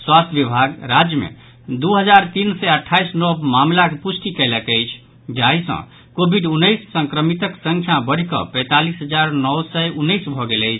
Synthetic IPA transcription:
swast̪ʰəʋibʱaɡɾad͡ʒjəmḛ̃ | d̪uɦəd͡ʒaɾt̪insɛəʈʰːajsnɔmamlakepusʈikɛɪləkəjt͡ʃʰ | d͡ʒaisə̰̃ | kobʱiɖunːəjsːə̃ŋkɾəmit̪əksə̃ŋkʰjabəɽ̤ikə̰pɛ̃t̪alisɦəd͡ʒaɾnɔwsɛunːəjsbʱɔɡeləɪt͡ʃʰ

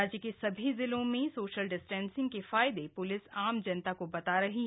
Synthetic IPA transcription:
aːd͡ʒkesɐbʱizɪlõmẽsoːʃəlɖɪsʈɛ̃ːnsɪ̃ŋɡ̚keffaːɪd̪epʊlɪsaːmd͡ʒɐnt̪akobɐt̪aɾɐɦi

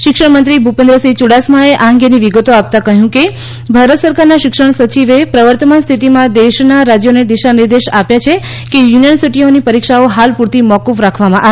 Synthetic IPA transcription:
ʃɪkʂəɳmənt̪ɾibʱupẽnd̪ɾəsit͡ʃuɽasmãeʔaŋɡeniʋiɡət̪oap̚t̪akəɦjũke | bʱaɾət̪səɾkaɾnaʃɪkʂəɳ̃sət͡ʃiʋepɾəʋəɾt̪əmanst̪ʰit̪imãd̪eʃnaɾad͡ʒjoned̪iʃaniɾd̪eʃapjat͡ʃʰe | kejuniʋʋəɾsiʈionipəɾikʃaoɦalpuɾt̪imɔkufɾakʰʋamãʔa

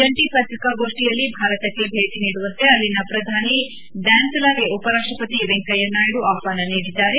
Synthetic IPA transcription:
d͡ʒɐɳʈipɐt̪ɾikaɡo̞ːʂʈijɐlːibʱaːɾɐt̪ɐkːe̞bʱeːt̪iniːɽuʋɐnt̪e̞ɐlːinɐpɾɐd̪ʱaːni | ɖaːnsɐlaːɡeupɐɾaːkʂʈɾɐpɐt̪iʋeŋkɐjɐnːaːjiɽuʔaːpaːnɐniːɽid̪ːaːɾe

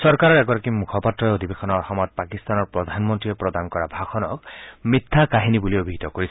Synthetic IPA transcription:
sɔɾkaɾɔɾɛɡɔɾakimukʰɔpat̪ɾɔeod̪ibexʰɔnɔɔɦɔmɔt̪̚pakist̪anɔɾpɾɔd̪ʱanmɔnt̪ɾiepɾɔd̪ankɔɾabʱakʰɔnɔkmit̪ʰːakaɦinibuliobʱiɡʱit̪ɔkoɾisʰ

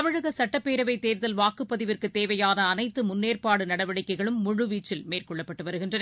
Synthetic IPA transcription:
ʋɐɻɯɣɐsɐʈːɐpːeːɾɐʋɐɪt̪eːɾðɐlʋaːkɯpːɐðɪʋɪrkɯt̪ːeːʋɐjaːðɐːnɐɪt̪ːɯmʊnːeːrpaːɽɯnɐɽɐʋɐɽɪkːɐɪɣɐɭɯmːʊɻɯʋiːt͡ʃːɪlmeːrkɔɭːɐpːɐʈːɯʋɐɾɯɣɪndrɐn

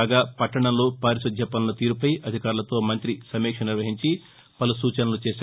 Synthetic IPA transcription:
ɡaːpɐʈːɐɳɐmloːpaːɾisɐd̪ʱjɐpɐnɐlɐt̪iːɾupɐjʔɐd̪ʱikaːɾulɐt̪o̞ːmɐnt̪ɾisɐmɛːkʂɐniɾʋɐɦiɲt͡ʃi | pɐlusuːt͡ʃɐnɐlut͡ʃeːs

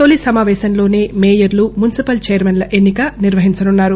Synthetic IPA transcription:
oːlisɐmaːʋɛːʃɐnlo̞ːne̞ːmeːjɐɾlumunisipɐlt͡ʃɛːjɐɾmɐnlɐʔenːikɐniɾʋɐɦiɲt͡ʃɐnunːaːɾu

